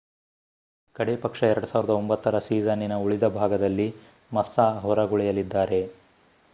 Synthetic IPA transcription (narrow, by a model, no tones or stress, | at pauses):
kɐɽepɐkʂɐɛɾɐɽusaːʋiɾid̪ɐombɐt̪ːɐɾɐsiːd͡ʒɐninɐuɭid̪ɐbʱaːɡɐd̪ɐlːi | mɐsːaːɦɔɾɐɡuɭɛjɐlid̪ːaːɾe̞